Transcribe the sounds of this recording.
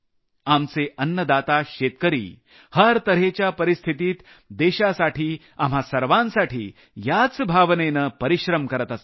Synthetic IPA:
amt͡seʔənːəd̪at̪aɕet̪̚kəɾḭː | həɾt̪əɾɦet͡ɕjapəɾist̪ʰit̪iːt̪ | d̪eɕasaʈʰiː | am̤ɦasəɾʋãnsaʈʰḭː | jat͡sbʱaʋnenəpəɾiɕɾəmkəɾət̪əs

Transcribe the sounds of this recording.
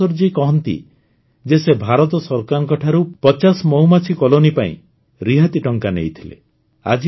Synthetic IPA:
ɔɾd͡ʒikɔɦɔnt̪ḭ | d͡ʒesebʱaɾɔt̪ɔsɔɾkaŋkɔʈʰaɾupɔt͡ʃasɔmɔɦumat͡ʃʰikɔlonipaḭ̃ | ɾiɦat̪iʈɔŋkanejt̪ʰilḛ | a̰d͡ʒi

